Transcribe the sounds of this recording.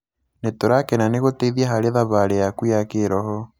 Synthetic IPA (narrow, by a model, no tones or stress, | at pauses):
netoɾakenaneɣoteiðiaɦaɾeðaβaɾejakwujakeɾɔhɔ